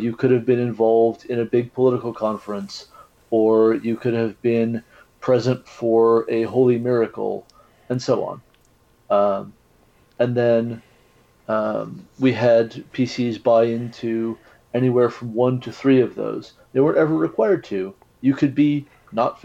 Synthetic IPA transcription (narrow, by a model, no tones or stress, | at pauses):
jɨkʰʊɾɨvbɨ̃nɨ̃ɱvɑlˠvdɪ̃nɨbɪɡ̚pʰəlɪɾəkl̩ˠkʰɑ̃ɱfɹɨ̃ns | ə˞jɨkʰʊɾɨvbɪ̃n | pʰɹ̥ɛzɨ̃ntfə˞ɨɦoʊlˠimɪɹɨkl̩ˠ | ɨ̃nsoʊɑ̰̃n | ɨ̃nðɨ̃n | wiɨd̚pʰisizbaɪɪ̃ntʰʉ | ɛñiwɛɹfɹʌ̃mwʌ̃ntʰɨθɹiʌvðo̰ʊz̥ | ðeɪwɜ̃˞ntɛvə˞ɹɨkʰw̥aɪə˞d̚tʰʉ | jɨkʰɨd̚bi | nət